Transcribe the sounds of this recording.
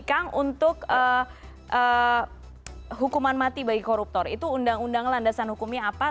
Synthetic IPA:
kaŋunt̪ʊkə | ʔə | ɦukumanmat̪ibaɡikɔɾup̚t̪ɔrḭt̪uːndaŋundaŋlandasanhukumɲaapa

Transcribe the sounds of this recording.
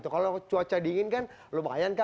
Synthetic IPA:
t̪ukalot͡ʃuat͡ʃadiŋɪnkan | loba̰janka

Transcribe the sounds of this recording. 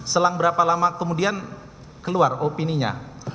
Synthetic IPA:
səlaŋbəɾapalamakəmudian | kəluaropiniɲa̰

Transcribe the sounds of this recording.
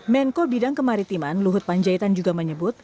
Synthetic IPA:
mɛŋkobidaŋkəmaɾit̪imanluɦʊt̪̚paɲd͡ʒait̪and͡ʒuɡaməɲəbʊt̪̚

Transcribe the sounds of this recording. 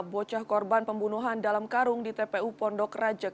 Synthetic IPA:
bɔt͡ʃahkɔrbanpəmbunuɦandalamkaɾʊŋdit̪epeupɔndɔkrad͡ʒa

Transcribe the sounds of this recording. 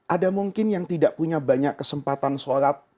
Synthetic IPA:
ʔadamuŋkɪnjaŋt̪idaʔpuɲabaɲakːəsəmpat̪ansoɾat̪̚

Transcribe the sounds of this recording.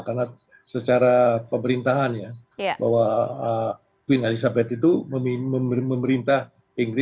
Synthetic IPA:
karna | sət͡ʃaɾapəməɾint̪aɦanjaba̰ɦwaə | t̪wɪnalisabɛt̪it̪uməmməmməməɾint̪ah | iŋɡɾɪ

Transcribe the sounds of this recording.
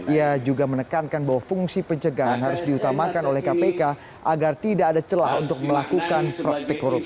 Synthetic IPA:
iad͡ʒuɡamənəkankanbawafuŋsipəɲt͡ʃəɡaɦanɦaɾʊsdiut̪amakanolɛhkapeka | ʔaɡart̪idaadat͡ʃəla̰hunt̪ʊk̚məlakukanfɾak̚t̪ekoɾɔ

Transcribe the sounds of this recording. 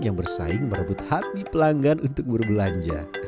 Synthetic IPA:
jaŋbərsa̰ɪŋməɾəbʊt̪hat̪̚ipəlaŋɡanunt̪ʊk̚bərbəlaɲd͡ʒa̰

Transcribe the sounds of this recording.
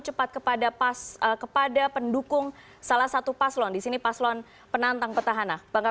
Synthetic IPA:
t͡ʃəpat̪̚kəpadapasəkəpadapəndukʊŋ | salahsat̪upaslɔndisinipaslɔn | pənant̪aŋpərt̪aɦanabaŋka

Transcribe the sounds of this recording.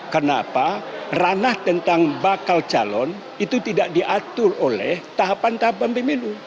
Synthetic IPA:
kəna̰paranaht̪ənt̪aŋbakalt͡ʃa̰lɔn | it̪ut̪idaʔdiʔat̪ʊrolɛht̪aɦapant̪aɦapanpəmilu

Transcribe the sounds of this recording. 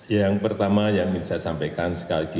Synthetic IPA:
jaŋpərt̪amajaminsajasampajkansə̥kaliɡi

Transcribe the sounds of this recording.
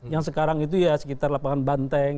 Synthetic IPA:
jaŋsəkaɾaŋit̪ujasə̥kit̪arlapaŋanbant̪ɛŋ

